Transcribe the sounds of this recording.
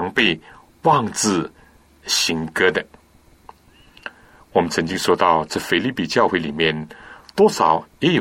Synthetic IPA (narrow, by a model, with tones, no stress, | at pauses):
ŋpe˥˧ɪ | wɑ˥˧ŋt͡sɹ̩˥˩ | ɕi˧˥ŋkɤ˥d̪ə˨ | wɔ˨˩mə˦nt͡sʰə˧˥ŋt͡ɕi˥ŋʂwɔ˥t̪ɑ˥˧ʊt͡sɤ˥˧˩fe˥ɪli˥˩pi˨˩t͡ɕjɑ˥˧ʊxwe˥˩ɪli˨˩mjɛ˥˩nt̪wɔ˥ʂɑ˨˩˦ʊjɛ˧˥jo˨